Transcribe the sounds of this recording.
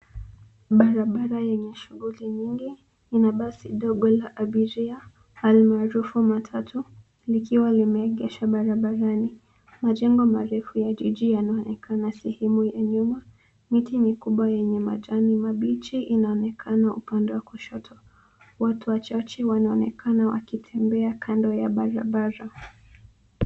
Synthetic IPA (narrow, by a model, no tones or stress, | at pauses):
ɓaɾaɓaɾajɛɲɛʃuɣuliɲiŋɡi | inaɓasiɗɔɠɔlaʔaɓiɾia | halimaːɾufumatʰatʰu | likiwalimɛɛɠɛʃaɓaɾaɓaɾani | maʄɛŋɡɔmaɾɛfujaʄiʄijanaɔnɛkʰanasɛhɛmujaɲuma | mitimikuɓwajɛɲɛma̰ʄanimaɓit͡ʃiʔinaɔnɛkʰanaupandɛwakuʃɔtʰɔ | watuwat͡ʃat͡ʃɛwanaɔnɛkʰanawa̰kitʰɛmbɛakʰandɔjaɓaɾa̰ɓaɾa